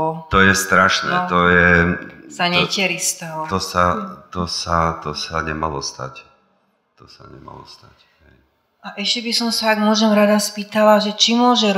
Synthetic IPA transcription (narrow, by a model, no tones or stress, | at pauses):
ɔt̪ɔjɛst̪ɾaʃnɛ̰t̪ɔjɛzaɲɛcɛɾist̪ɛɦɔt̪ɔsat̪ɔsat̪ɔsaɲɛma̰lɔst̪a̰c | t̪ɔsa̰ɲɛ̰ma̰lɔ̰st̪ac | ɦɛj | aʔɛʃcɛbisɔmsaːɡmʊɔʒɛmɾad̪aspiːt̪alaʒɛt͡ʃimʊɔʒɛɾ